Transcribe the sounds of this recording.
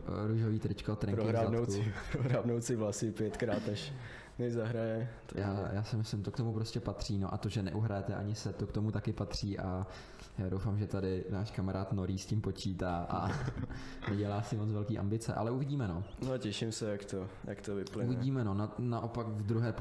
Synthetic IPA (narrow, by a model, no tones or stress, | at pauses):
ɾuʒoviːt̪ɾɪt͡ʃkat̪ɾɛpŋɾkɪɦɾaanowkuɪpɾoɦɾaːbnowt͡sɪvlasɪpjɛt̪kɾaːt̪nɛʃ | nɛzaɦɾajɛt̪ajaːjaːsɪmɪslɪmt̪okt̪omupɾoscɛpat̪r̝̥iːno̞̰ʔa̰t̪o̞ʒɛnɛ̰ʔuɦɾajɛt̪ɛʔa̰ɲɪsɛt̪ːokt̪o̞mut̪akɪpat̪r̝̥iːʔa | jaːdowfamʒɛt̪adɪnaːʃkamaɾʔaːt̪no̞ɾiːscɪmpo̞t͡ʃiːt̪aːʔa | nɛɟɛlaːsɪmot͡svɛlkiːʔa̰mbɪt͡sɛ̰ʔa̰lɛʔuvɪɟiːmɛnonocɛʃɪmsɛjakt̪ojakt̪ovɪplɪuvɪɟiːmɛno̞nanaʔo̞pakvd̪ɾuɦɛːp